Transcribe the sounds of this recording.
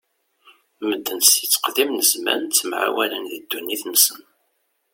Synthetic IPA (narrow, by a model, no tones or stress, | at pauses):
məd̪ːənsit͡sːə̥qðimnəzmæ̰nt͡sːmʕa̰wælənðid̪ːunːiθnsən